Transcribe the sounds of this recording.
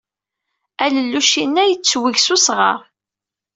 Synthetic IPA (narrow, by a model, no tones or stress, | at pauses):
æləlːuʃinːæjət͡sːwiʝsusʁɑ̰ɾ